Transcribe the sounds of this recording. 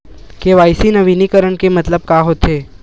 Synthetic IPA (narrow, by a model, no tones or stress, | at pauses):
keʋaːɪsinɐʋiːnikəɾəɳkemɐt̪ləb̚kaːɦoːt̪eː